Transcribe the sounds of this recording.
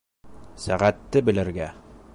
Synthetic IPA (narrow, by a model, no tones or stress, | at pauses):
sæʁæt̪ːɘbɘ̆lɘ̆ɾɡæ